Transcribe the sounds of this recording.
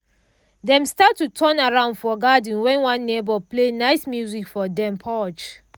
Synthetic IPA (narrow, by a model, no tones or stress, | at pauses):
dɛ̃mstatːutʰɔ̃naɹãʊ̃ndfɔɡad̃n̩wɛ̃nwãnːebɔplenaɪsmjuzikfɔdɛ̃mpʰɔt͡ʃ